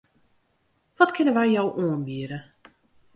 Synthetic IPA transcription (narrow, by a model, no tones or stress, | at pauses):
ʋɔtkʰɪnəʋɛjjowʔoənbiəɾə